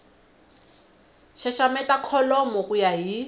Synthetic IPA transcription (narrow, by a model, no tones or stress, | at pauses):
ʃaʃamɛtakʰɔlɔmɔkujaɦi